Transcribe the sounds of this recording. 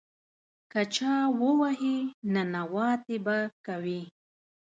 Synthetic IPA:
kat͡ʃaːwʊwaɦinanawaːt̪ebakawi

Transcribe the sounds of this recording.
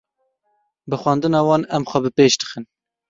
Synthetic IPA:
bɨxʷɑnd̪ɨnɑːwɑːnɛmxʷɛbɨpeːʃd̪ɨ̥xɨn

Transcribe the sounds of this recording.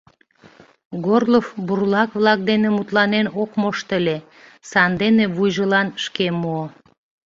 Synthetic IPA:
ɡorlofburlɑkβlɑk̚d̪enemut̪lɑnenokmoʃt̪əlʲe | sɑnd̪eneβujʒəlɑnʃkemoo

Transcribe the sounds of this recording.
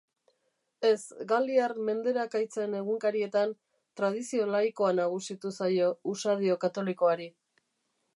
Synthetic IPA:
e̞sɡald̪iarme̞nd̪e̞ɾakajt͡se̞ne̞ɣuŋkaɾie̞t̪an | t̪ɾað̞isio̞lajko̞anaɣ̞usit̪usajo̞usaðio̞kat̪o̞liko̞aɾi

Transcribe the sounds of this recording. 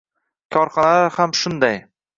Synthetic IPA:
kʲʰɒɾχɒnalahamʃʊnd̪aj

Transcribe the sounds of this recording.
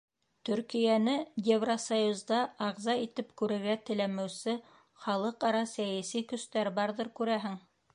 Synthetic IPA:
t̪ɵ̆ɾkijænɘjevrosɐjuzd̪ɑɑʁzɑit̪ɘpkʉɾɘ̆ɾɡæt̪ɘ̆læmɘwsɘ | χɑlˠɤqɑɾɑsæjæsikɵ̆st̪æɾbɑɾðɤɾkʉɾæɦɘŋ

